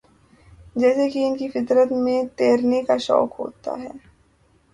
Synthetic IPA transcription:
d͡ʒɛːsekiʊnkifɪt̪ɾət̪mẽt̪eːɾnekaʃɔ̰ːkɦo̰ːt̪a̰ɦɛː

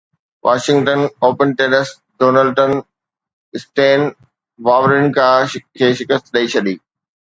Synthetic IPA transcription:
ʋʔaːʃɪ̃ŋɡʈənoːpənʈeːnəs | ɖoːnəlʈən | ɪsʈẽːn | ʋaːʋɾɪnɪ̆kʰaːkʰeːʃɪkəst̪ɗɐit͡ɕʰɐɗ̪iː

